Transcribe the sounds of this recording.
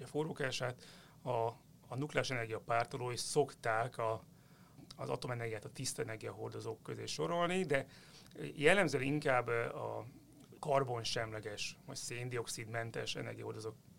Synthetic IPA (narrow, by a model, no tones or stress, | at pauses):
ɒfoːroːkaːʃaːt̪ | ɒ | nuklaːʃɛnɛrɡijɒpaːrt̪oloːiʃso̞kt̪aːkɒː | zɒ̰t̪o̞mɛnɛrɡijaːt̪ɒt̪ist̪ɛnɛrɡijɒɦo̞rd̪o̞zoːkːøzḛːʃo̞ɾo̞lnid̪ɛ | jɛlːɛmzøɛliŋkaːbːɒ̰ | kɒrbo̞nʃɛmlɛɡɛʃvɒ̰cseːnd̪io̞ksid̪mɛnt̪ɛ̰ʃɛ̰nɛ̰rɡijɒ̰ɦo̞rd̪o̞zoːk